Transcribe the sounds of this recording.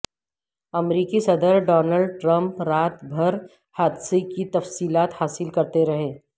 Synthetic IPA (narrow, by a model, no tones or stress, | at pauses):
ɐmɾiːkisɐd̪əɾɖɔːnəlɖʈɾɐ̃mpɾaːt̪bʱɐɾ | haːd̪sekit̪ɐfsiːlaːt̪haːsɪlkɐɾt̪eɾɐɦẽː